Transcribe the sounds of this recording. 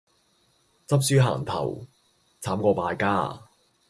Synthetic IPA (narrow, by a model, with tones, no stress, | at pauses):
t͡sɐ˥p̚syː˥ɦa̰ː˨˩ŋt̪ʰɐ̰˨˩w | t͡sʰaː˨˥mkɔː˧paː˧jkaː˥